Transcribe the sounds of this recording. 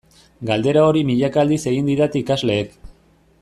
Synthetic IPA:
ɡald̪e̞ɾao̞ɾimiʎakald̪ise̞ɣind̪iðat̪ikazle̞ːk

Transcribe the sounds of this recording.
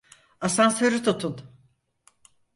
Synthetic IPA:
asansøɾit̪ʰut̪ʰun

